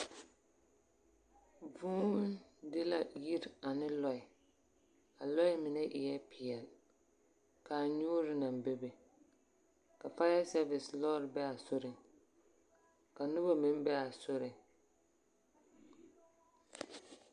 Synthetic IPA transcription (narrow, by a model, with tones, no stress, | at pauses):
vuː˦dɪ˦la˨ji˦ɾa˨nɪ˦lɔ˦ɪ˨ | a˨lɔ˦ɪ˦mɪ˨nɛ˦ʔɪ˨jɛ˦pɪ˨ɛ˨l | ka˨ɲo˦ɾɪ˦na˨mbe˦be˨ | ka˨pa˦a˦sɛ˦vɪ˨slɔː˦ɾbɛ˦a˨sʊ˦ɾɪ˨ŋ | ka˨nʊ˦ba˦mɪ˦m˦bɛ˦a˨sʊ˦ɾɪ˨